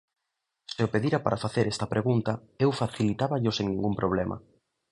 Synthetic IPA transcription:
sɪopeðiɾɐpaɾafaθeɾɛst̪ɐpɾeɣunt̪ɐewfaθilit̪aβɐʎʊseŋnĩŋɡumpɾoβ̞lemʔɐ̰

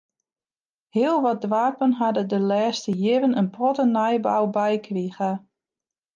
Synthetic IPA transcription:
hiəlˠʋɔt̚dʋaːpənɦadədəlɛːstəjɪʋənənpʰɔtənajba̰wbɛjkʰriɣə

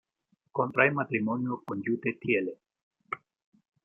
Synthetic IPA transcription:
kont̪ɾajmat̪ɾimoniokond͡ʒut̪etiele

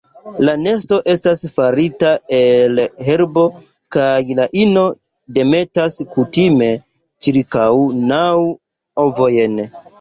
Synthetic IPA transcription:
lane̞sto̞ʔe̞stasfaɾitaelɦe̞ɾbo̞ | kajlaʔino̞ | de̞me̞taskutime̞ | t͡ʃiɾkawnaw | ovo̞jen

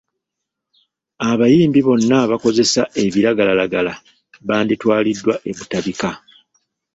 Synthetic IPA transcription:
aβajiːmbiβo̞nːaβako̞ze̞sae̞βiɾaɡalalaɡala | βaːnditwaːlidːwaʔe̞βutaβika

